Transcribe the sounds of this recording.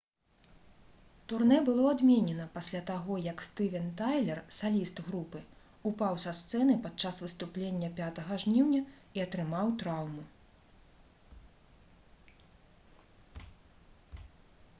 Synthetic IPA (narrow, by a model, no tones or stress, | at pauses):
t̪urnɛbɨlˠɔad̪mʲenʲɛnɐpasʲlʲat̪aɣɔjɐkst̪ɨvʲɛnt̪ajlʲɛrsalʲist̪ɣɾupɨ | upawsɐst̪sɛnɨpat͡ʂasvɨst̪uplʲenʲːɐpʲat̪ɐɣɐʐnʲiwnʲɐ | iɐt̪ɾɨmawt̪ɾawmu